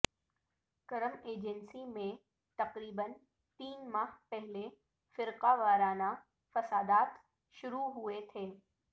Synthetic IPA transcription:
kɐɾəmeːd͡ʒənsimẽ | t̪ɐqɾiːbən | t̪iːnmaːɦpɛɦle | fɪɾqaʋaːɾaːna | fɐsaːd̪aːt̪ | ʃʊɾuɦʊet̪ʰeː

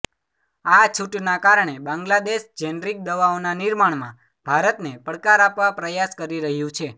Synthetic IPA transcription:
at͡ʃʰuʈnakaɾɳ̃ebãŋɡlad̪eʃd͡ʒɛnɾik̚d̪əʋaonanɪɾmaɳmã̰ | bʱaɾət̪nepəɽkaɾapʋapɾəjaskəɾiɾəɦjũt͡ʃʰe

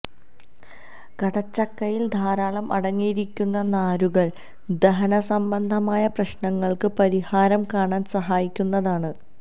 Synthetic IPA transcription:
kɐɽɐt͡ɕːɐkːɐjild̪ʱaːɾaːɭɐmʔɐ̰ɽɐŋːijiɾikʲːunːɐnaːɾuɣɐɭ | d̪ɐɦɐnɐsɐmbɐnd̪ʱɐmaːjɐprɐɕɳɐŋːɐɭkɨpɐɾihaːɾɐmkaːɳaːnsɐɦaːjikʲːunːɐðaːɳɨ

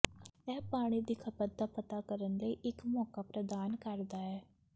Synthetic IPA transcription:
ɛːpaːɽ̃iːd̪ikʰəpət̪̚d̪aːpət̪aːkəɾənləiːʔɪkmɔːkaːpɾəd̪aːnkəɾd̪aːɛː

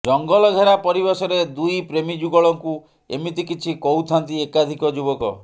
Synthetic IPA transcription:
d͡ʒɔŋɡɔlɔɡʱeɾapɔɾibesɔɾed̪ujpɾemid͡ʒuɡɔɭɔŋku | ḛmit̪ikit͡ʃʰikɔwt̪ʰant̪iekad̪ʱikɔd͡ʒubɔkɔ̰

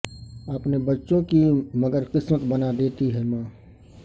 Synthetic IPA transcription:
əpnebətːʃõkiməɡəɾqɪsmət̪bənad̪eːt̪iɦɛmãː

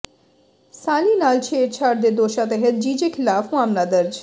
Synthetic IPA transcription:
saːlinaːlt͡ʃʰeːɾt͡ʃʰaːɾd̪ed̪oːʃat̪eɦət̪̚d͡ʒiːd͡ʒekʰɪlaːfʋaːmlad̪ɐɾd͡ʒ

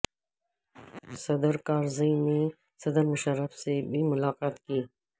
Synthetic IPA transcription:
sɐd̪əɾkaːɾzəjne | sɐd̪əɾmʊʃəɾːəfsebimʊlaːqaːt̪kiː

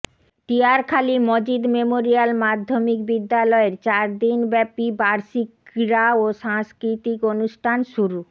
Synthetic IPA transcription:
t̪iaɾkʰalimod͡ʑid̪memoɾijalmad̪ʱːomikbid̪ːalɔeɾt͡ɕaɾd̪inbɛpibaɾʃikɾaoʃaŋskɾit̪ikonuʃʈʰanʃuɾu

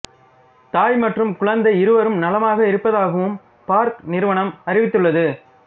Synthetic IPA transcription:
t̪aːjmɐʈrɯmkʊɻɐnd̪ɐɪɾɯʋɐɾɯmnɐlɐmaːɣɐɪɾɯpːɐðaːɣɐʋɯm | paːɾknɪɾɯʋɐɳɐmɐɾɪʋɪt̪ːɯɭːɐðɯ

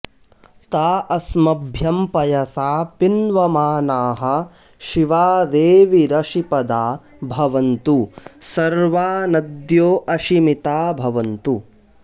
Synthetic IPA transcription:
t̪aːʔɐsmɐbʱjɐmpɐjɐsaːpinʋɐmaːnaːɦɐ̆ | ʃiʋaːd̪eːʋiɾɐʃipɐd̪aː | bʱɐʋɐnt̪usɐɾʋaːnɐd̪joːʔɐʃimit̪aːbʱɐʋɐnt̪u

